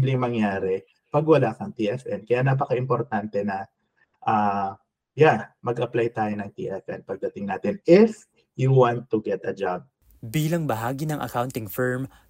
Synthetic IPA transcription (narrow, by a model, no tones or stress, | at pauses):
blɪŋmɐŋjaːɾɛ | pɐɡwɐlakɐŋt̪iːʔɛfʔɛnkɐjanap̬ɐkɐʔɪmpoɾt̪ant̪ɛnɐ | ʔaː | jamɐɡʔɐplajt̪aːjonɐŋt̪ḭːʔɛfʔɛnpɐɡ̚d̪ɐt̪ɪŋnaːt̪ɪnɪf | juwant̪ːʊɡɛt̪ɐd͡ʒab̚ | biːlɐŋbɐɦaːɡinɐŋʔɐ̰kawnt̪ɪŋfɛɹm